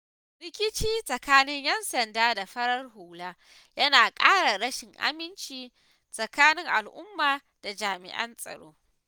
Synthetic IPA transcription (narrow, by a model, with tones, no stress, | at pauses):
ɾɪ˦kʲɪ˦t͡ʃiː˦sʼɐ˨kaː˦nɪ˦ɲjɐ˦nsɐ˨ndaː˦da˨ɸɐ˦ɽɐ˦rɦuː˨laː˦ | jɐ˦naː˨kʼaː˦ɽa˨ɽɐ˦ʃɪ˨ŋʔa̰˦mɪ˦nt͡ʃiː˨ | sʼɐ˨kaː˦nɪ˦ŋʔa˨lʔʊ˦mːaː˨ | d̥a˨d͡ʒaː˨mɪ̰˨ʔɐ̰˦nsʼɐ̰˨ɽo̰ː˦